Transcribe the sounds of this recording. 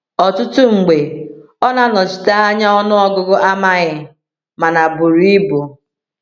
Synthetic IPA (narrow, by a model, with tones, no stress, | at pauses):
ɔ˨tʊ˦tʊ˦ŋ͡m̩˨ɡ͡be˨ | ɔ˦na˨nɔ˨t͡ʃi̥˨ta˦a˦ɲa˦ɔ˦nʊ˦ɔ˦ɡʊ˦ɡʊ˦ʔa˦ma˦ɣɪ˨ | ma˨na˨bʊ˨ɾi˦bo˨